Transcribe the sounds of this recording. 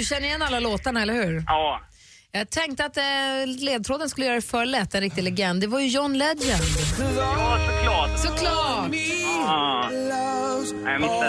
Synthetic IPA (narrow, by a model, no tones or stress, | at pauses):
ɵɕɛnːɾɪɛnːalːaloːt̪aɳaɛlːəɾhʉ̟ːɾɑː | jɑːɡ̚t̪ʰɛŋk̚t̪əat̪leːd̪̚t̪ʰɾoːd̪ənskɵləjœːɾaɾɛfœːɭɛt̪ːɛnɾɪkt̪ɪɡlɛɡɛnd̪ːɛvaɾjɵjɔnːlɛd̪jɛn | sɔkʰlɑːsɔkʰlɑː